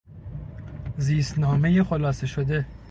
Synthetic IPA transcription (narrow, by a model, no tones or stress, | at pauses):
ziːsnɒːme̞jexolɒːseʃod̪e